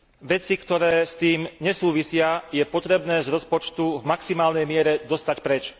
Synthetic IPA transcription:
ʋɛt͡sikt̪ɔɾɛːst̪iːmɲɛsuːʋisɪajɛpɔt̪ɾɛbnɛːzɾɔspɔt͡ʃt̪uvmaksimaːlnɛjmɪɛɾɛd̪ɔst̪acpɾɛt͡ʃ

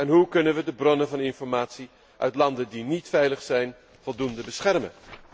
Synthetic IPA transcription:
ɛnɦukɵnənʋədəbrɔnəvɑnɪnfɔɹmaːtsi | ʔœ̰ɥtlɑndədinitfɛjləχsɛjn | v̥ɔlˠdundəbəsχɛrmə̰n

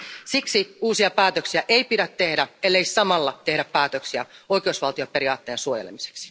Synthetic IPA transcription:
siksiuːsiɑpæːt̪øksiæʔejpidæt̪ːe̞hdæelːeisɑmɑlːɑt̪e̞ɦɾæpːæːt̪ø̞ksiæ̰o̞jkeusʋɑlt̪io̞pe̞ɾiɑ̰ːt̪ːe̞ːnsuojelḛmise̥ksi̥

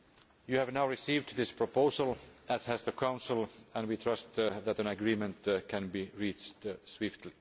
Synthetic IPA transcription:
jɨhævnaʊɹɪsivdðɪspʰɹ̥əpʰoʊzəl̩ˠæz̥hæzðəkʰãʊ̃nsəl̩ˠə̃nwit̪ʰɹ̥ʌst̪ðætɨ̃nɨɡɹĩmə̃nt̪kʰɨ̃nbiɹit͡ʃtswɪftʰli

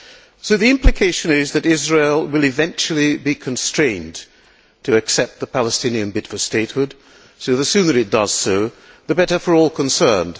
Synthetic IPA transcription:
soʊðiɪ̃mplɨkʰeɪʃɨ̃nɪzðɨɾɪzɹeɪlˠwɨlˠɨvɛ̃nt͡ʃl̩ˠibikʰɨ̃n̩stɹ̥ẽɪ̃n | tʰɨɨksɛp̚t̪̚ðəpʰælˠəstɪ̃niɨ̃nbɪtfəsteɪt̚hʊd̥ | soʊðɨsʉ̃nɨ˞ɨt̚d̥ʌz̥soʊ | ðɨbɛɾə˞fə˞ɔlˠkʰə̃nsɜ̃˞nd̥

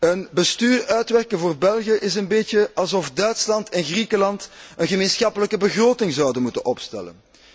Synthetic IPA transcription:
ənbəstyːrœɥtʋɛrkənvoːrbɛlˠɣəʔɪsənbeːtjəɑlˠzɔfdœɥtslɑntɛnɣrikəlɑntənɣəmeːnsxɑpələkəbəɣroːtɪŋzɑwdənmutənʔɔpstɛ̰lə̰n

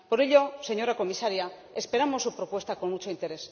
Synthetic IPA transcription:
po̞ɾe̞ʎo̞se̞ɲo̞ɾako̞misaɾja | espe̞ɾamo̞sːupɾo̞pwe̞st̪ako̞nmut͡ʃo̞int̪e̞ɾe̞s

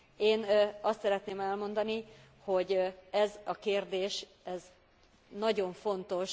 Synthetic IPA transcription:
eːnɒst̪sɛɾɛt̪neːmɛlmo̞nd̪ɒni | ho̞ɟɛzɒkeːrd̪eːʃ | ɛz | nɒɟo̞ɱfo̞nt̪o̞ʃ

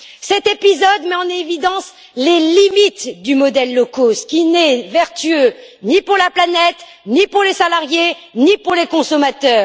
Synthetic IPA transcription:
sɛt̪epizɔd̪mɛɑ̃nevid̪ɑ̃s | lelimit̪d̪ymɔd̪ɛlːɔkosə̥kʲinɛvɛʁt̪yønipuʁlaplanɛt̪ | nipuʁlesalaʁjenipuʁlekɔ̃sɔmat̪œːʁ

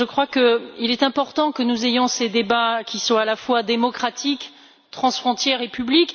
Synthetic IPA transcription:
ʒəkχwakəilɛt̪ɛ̃pɔʁt̪ɑ̃kənuzejɔ̃sed̪ebakʲiswɔ̃alafwad̪emɔkχat̪ʰik | t̪χɑ̃sfχɔ̃t̪jɛʁepyblik

